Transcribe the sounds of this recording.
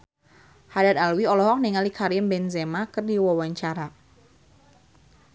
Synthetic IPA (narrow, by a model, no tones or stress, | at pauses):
hadad̪alwiɔlɔɦɔk̚niŋalikʰaɾiəmbɛnzemakərdiwawaɲt͡ʃaɾa